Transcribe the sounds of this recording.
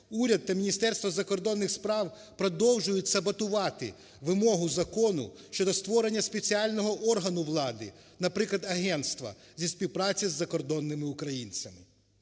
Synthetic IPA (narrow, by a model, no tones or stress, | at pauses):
uɾʲɐd̪̚ːɐmʲinʲist̪ɛrst̪ʋɐzɐkɔrd̪ɔnːɪxspɾɑw | pɾɔd̪ɔwʒʊjʊtʲsɐbɐt̪ʊʋɑt̪ɪ̰ | ʋɪmɔɦʊzɐkɔnʊ̰ | ʃt͡ʃɔd̪ɔst̪ʋɔɾe̞nʲːɐspet͡sʲialʲnɔɦɔʔɔrɦɐnʊʋlˠɑd̪ɪ̰ | nɐpɾɪklˠɐd̪ɐɦɛnt̪st̪ʋɐ̰ | zʲisʲpʲiwpɾɑt͡sʲizːɐkɔrd̪ɔnːɪmɪʊkɾɐjinʲt͡sʲɐmɪ